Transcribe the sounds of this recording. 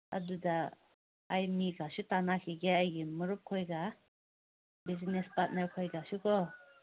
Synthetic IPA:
ɐ̰dudaː | jmiɡasutanakʰiɡeajɡimɐɾup̚kʰojɡa | bizinespat̚naɾkʰojɡasukʰɔ

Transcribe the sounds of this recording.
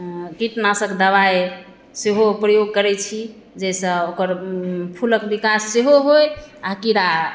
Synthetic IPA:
kiʈnasəkd̪əβae | seɦopɾəjoɡ̚kəɾɛt͡ʃʰi | d͡ʒɛjsə̃okəɾpʰuləkbikasːeɦoɦojakiɾa

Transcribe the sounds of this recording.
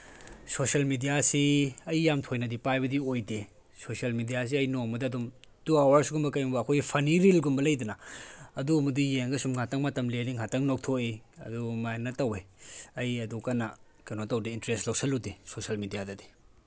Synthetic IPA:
sosɐlmidijasiɐjːamtʰojnɐdipajbɐdiojde | sosiɐlmidijas̬iɐjnoŋmɐdɐɐdum | tuawaɾsuɡumbɐkɐjmbɐːkʰojɡipʰɐniɾilɡumbɐlɐjdɐnɐɐdumɐdujeŋɡɐsumŋatɐŋmɐtɐmleniŋatɐŋnok̚tʰoiɐ̰dumajnɐtɐweɐjɐdukɐnɐ | kɐnotɐwdiintɾestlɐwsʰɐludesosɐlmidijadɐdi̥

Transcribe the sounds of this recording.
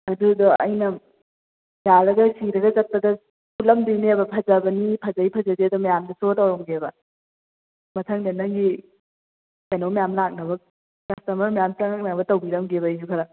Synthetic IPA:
ɐdudɔʔɐjnɐ | jaɾɐɡɐsiɾɐɡɐd͡ʒɐk̚tɐdɐ | pʰulɐmdinebɐpʰɐd͡ʒabɐnipʰɐd͡ʒajpʰɐd͡ʒɐdeɐdɔmɐjamdɐsotawɾɐmɡebɐ | mɐtʰɐŋdenɐŋɡi | kanowmɐjamlak̚nɐbɐk̚ | kɐstɐmɐɾmɐjamt͡ʃɐŋak̚nabɐtɐwbiɾɐmɡeβɐid͡ʒukʰɐɾɐ

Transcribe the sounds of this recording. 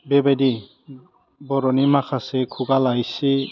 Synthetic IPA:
bebadi | bɔɾɔnimakʰasekʰuɡalajsi

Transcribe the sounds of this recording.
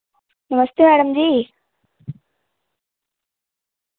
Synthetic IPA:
nɐməst̪jemæːɽəmd͡ʑiː

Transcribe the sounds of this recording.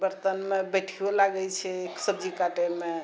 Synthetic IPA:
bəɾt̪ənmebɛʈʰiolaɡɛt͡ʃʰɛːksəbd͡ʒikaʈeme

